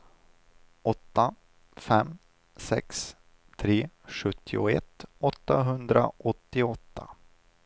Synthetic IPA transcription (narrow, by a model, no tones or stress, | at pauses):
ɔt̪ːa | fɛmː | sɛ̰ks | t̪ʰɾeː | ɧɵt̪ʰːɪʊɛ̰t̪ɔt̪ːaɦɵnd̪ɾaʔɔt̪ːɪɔt̪ːa